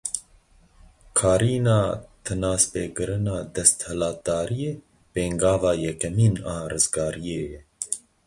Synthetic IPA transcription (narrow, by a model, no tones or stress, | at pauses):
kʰɑːɾiːnɑːt̪ʰɨnɑːspeːkɨɾɨnɑːd̪ɛst̪hɛlɑːt̪ɑːɾijeː | peːŋɡɑːvɑːjɛkɛmiːnɑːrɨzɡɑːɾijeːjɛ